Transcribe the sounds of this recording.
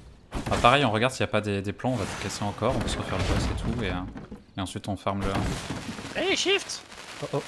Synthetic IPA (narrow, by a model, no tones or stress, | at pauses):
apaʁɛjɔ̃ʁəɡaʁd̪siljapad̪ed̪eplɑ̃ɔ̃vat̪u̥kʲaseɑ̃kɔʁɔ̃pøsʁəfɛʁləbɔset̪ʰueø | eɑ̃sɥit̪ɔ̃fɛʁmlə | bɛleʃift̪ | oʔ